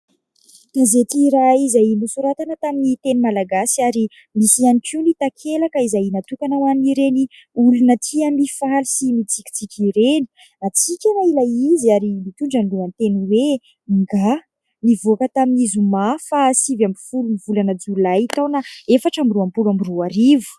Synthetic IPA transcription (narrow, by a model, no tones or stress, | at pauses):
d̪̥azet̪iɾaizajmisuɾat̪anət̪aminit̪enimalaɡasiaɾi | misianikiunit̪akʰelakəizajnat̪ukanawaniɾeni | ulunət̪ʰiamifalisimit͡sikʲi̥t͡sikʲiɾeni̥ | at͡sikʲanailaiziaɾimit̪uɳɖ͡ʐaniluant̪eniwe | ŋɡa | nivoakət̪aminizumafasivamifulumivulanəd͡zulajit̪awnaefaʈ͡ʂamiruampulamiruaɾivu̥